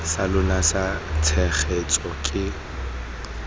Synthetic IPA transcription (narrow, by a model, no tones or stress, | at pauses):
salʊlasatʰɛχet͡sʼɔkʼɪ